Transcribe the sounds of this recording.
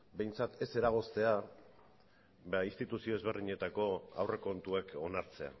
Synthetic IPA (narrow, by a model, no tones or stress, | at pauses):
be̞jnt͡sat̪e̞se̞ɾaɣ̞o̞st̪e̞a | baist̪it̪usio̞e̞zβ̞e̞rðiɲe̞t̪ako̞a̰wre̞ko̞nt̪ueko̞naɾt͡se̞a̰